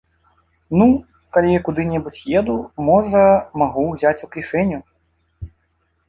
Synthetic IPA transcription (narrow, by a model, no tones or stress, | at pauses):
nu | kalʲikud̪ɨnʲɛbut͡sʲjɛd̪umɔʐɐmaɣuwzʲat͡sʲuklʲiʂɛnʲːu